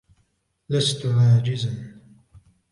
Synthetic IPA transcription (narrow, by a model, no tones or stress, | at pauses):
last̪ʕaːd͡ʒɪzan